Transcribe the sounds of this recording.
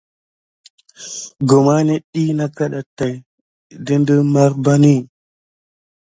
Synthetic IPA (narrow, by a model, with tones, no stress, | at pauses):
ɡo˨ma˦ne˦ɗi˦na˦ka˦ɗa˨ta˨j | di˦ndə˦ma˦ɾba˦ni˦